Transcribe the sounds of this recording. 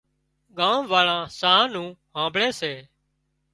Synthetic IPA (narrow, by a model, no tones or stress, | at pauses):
ɠãːʋʋaːɭãːsaɦãːnũːɦãːmbʱɭeːseː